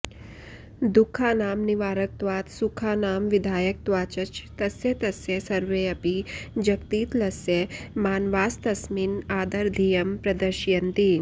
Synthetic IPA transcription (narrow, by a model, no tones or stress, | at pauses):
d̪ukʰːaːnaːmniʋaːɾɐk̚t̪ʋaːt̪sukʰaːnaːmʋid̪ʱaːjɐk̚t̪ʋaːt͡ʃɐt͡ʃt̪ɐsjet̪ɐsjesɐɾʋeːɐpid͡ʒɐkt̪iːt̪lɐsjemaːnʋaːst̪ɐsminaːd̪ɐɾd̪ʱijɐmpɾɐd̪ɐɾʃjɐnt̪i